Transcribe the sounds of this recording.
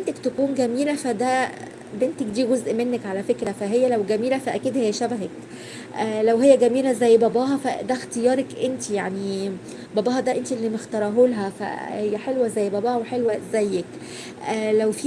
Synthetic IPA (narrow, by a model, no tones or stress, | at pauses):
ʔent̪ækt̪ækuːnɡæmiːlæfæd̪æ | bent̪ækd̪iːɡozʔmenːækʕalæfekɾæfæɦejːælæwɡæmiːlæfæʔækiːd̪hejːæʃæbæɦek | ʔlæwɦejːæɡæmiːlæzæjːbɑbɑːɦɑfæ̰d̪æxt̪ejɑːɾˤɑkʔent̪ijaʕni | bɑbɑːɦɑd̪æʔent̪iʔelːiːmext̪ɑɾˤɑɦolɦæfæ̰hejːæħelwæzæjːbɑbɑːʔweħelwæzæjːek | ʔlæwfi